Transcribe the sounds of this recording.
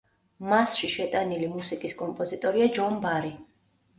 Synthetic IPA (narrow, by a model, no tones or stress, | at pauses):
masʃiʃɛt̪ʼanilimusikʼiskʼɔmpʼɔzit̪ʼɔɾiad͡ʒɔmbaɾi